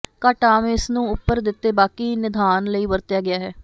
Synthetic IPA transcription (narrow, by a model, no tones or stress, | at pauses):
kaːʈaːmẽɪsnũːʊpːəɾd̪ɪt̪ːeːbaːkiːnɪd̪aːnləiːʋəɾt̪ɪjaːɡɪaːɦɛː